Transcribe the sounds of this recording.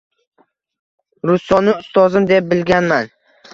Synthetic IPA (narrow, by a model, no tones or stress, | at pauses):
ɾʊst̪ɒnɪʊst̪ɒzɪmd̪e̞p̚bɪlɡʲanman